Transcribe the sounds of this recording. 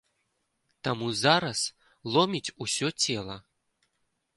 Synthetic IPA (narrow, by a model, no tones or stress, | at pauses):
t̪amuzaɾɐs | lˠɔmʲit͡sʲusʲɔt͡sʲɛlˠɐ